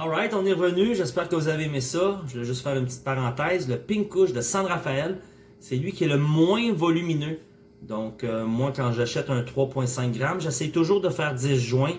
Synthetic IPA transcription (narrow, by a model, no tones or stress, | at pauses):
ɑlʁaɪt̪ɔ̃nɛʁvənyʒɛspɛːʁkəvuzaveːmesɔʒəvɛʒʏst̪fɛːʁynpət͡si̥t̪paʁɑ̃t̪ɛːzləpɪŋkʊʃd̪əsɑ̃ʁafaɛl | sɛlɥikʲiɛləmwɛ̃vɔlyminø | d̪ɔ̃kømwãkɑ̃ʒaʃɛt̪œ̃t̪χwapwɛ̃sɛ̃k̚ɡʁamʒɛsɛjt̪ʊʒuːʁd̪əfɛːʁdd͡z̪ɪs̬ʒwɛ̃